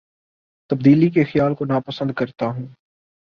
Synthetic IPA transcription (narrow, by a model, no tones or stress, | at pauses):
t̪ɐb̚d̪iːlikexjaːlkonaːpəsə̃nd̪̚kɐɾt̪aɦũː